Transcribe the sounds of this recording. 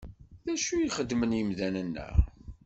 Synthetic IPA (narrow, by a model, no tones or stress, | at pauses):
ðæʃujiχəd̪ːmənjəmðænənːə̰